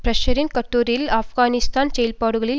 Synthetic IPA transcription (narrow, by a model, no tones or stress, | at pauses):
pɾɐʃɐɾɪnkɐʈːuːɾɪlaːfɣaːnɪst̪aːnsɛjɐlpaːɽɯɣɐɭɪl